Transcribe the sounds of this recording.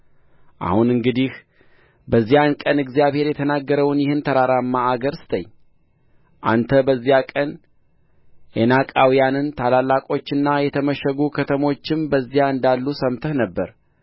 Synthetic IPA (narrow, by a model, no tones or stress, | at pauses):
ʔa̰hunɨŋɡɨd̪ih | bəzːijankʼənɨɡzijaβhe̞ɾjɛt̪ʰənaɡːəɾəwnjɪhɨnt̪ʰəɾaɾamːaːɡəɾsɨ̥t̪ʰəɲː | ʔa̰nt̪ʰəbəzːijakʼən | ʔenakʼawijanɨnt̪ʰalalːakʼo̞t͡ʃːɨnːajɛt̪ʰəməʃəɡukʰət̪ʰəmo̞t͡ʃːɪmbəzːijaɨnd̪alːusəmt̪ʰəhnəbːəɾ